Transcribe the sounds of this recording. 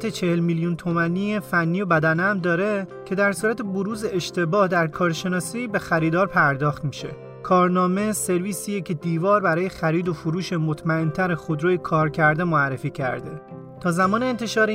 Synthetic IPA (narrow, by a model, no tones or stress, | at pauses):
t̪ʰet͡ʃʰehelmiljunt̪ʰomæniefænːijobæd̪ænmd̪ɒːɾe̞cʰe̞d̪æɾsuːɾæt̪ʰeboɾuːze̞eʃt̪ʰe̞bɒːhd̪æɾkʰɒːɾʃe̞nɒːsiːbe̞xæɾiːd̪ɒːɾpʰæɾd̪ɒːxt̪miːʃe̞̰ | kʰɒːɾnɒːme̞se̞ɾviːsiːjecʰe̞d̪iːvɒːɾbæɾɒːje̞xæɾiːd̪o̞fuɾuːʃe̞mot̪ʰmæent̪ʰæɾexod̪ɾoːjekʰɒːɾcʰæɾd̪e̞moærːe̞fiːcʰæ̰ɾd̪e̞ | t̪ʰɒːzæmɒːneːnt̪ʰe̞ʃɒːɾe